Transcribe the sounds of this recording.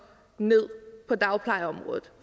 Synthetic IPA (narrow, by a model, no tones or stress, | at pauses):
ne̝ð̰ˠpʰɒ̽d̥ɑ̈ʊpʰlɑ̈ɪəɒ̽mʁɔ̽ːðð̩ˠ